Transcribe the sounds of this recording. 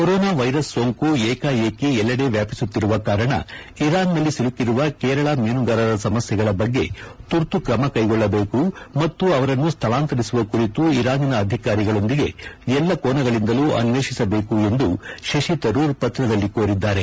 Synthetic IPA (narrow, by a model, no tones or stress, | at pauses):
koɾɔːnaːʋɐjɾɐsːoːŋkueːkaːjeːkeɛlːɐɽe̞ʋjaːpi̥sut̪ːiɾuʋɐkaːɾɐɳɐ̰ | iɾaːnːɐlːisilukːiɾuʋɐkɛːɾɐɭɐmeːnuɡaːɾɐɾɐsɐmɐsjɛɡɐɭɐbɐɡːe̞t̪uɾt̪ukɾɐmɐkɐjɡɔɭːɐbe̞ːkumɐt̪ːuɐʋɐɾɐnːust̪ʰɐlaːnt̪ɐɾisuʋɐkuɾit̪uiɾaːninɐːd̪ʱikaːɾiɡɐɭo̞nd̪iɡe̞ɛlːɐkoːnɐɡɐɭind̪ɐluːʔɐ̰nʋeːʃisɐbe̞ːkue̞nd̪uʃɐʃit̪ɐɾuːɾpɐt̪ɾɐd̪ɐlːikoːɾid̪ːaːɾe̞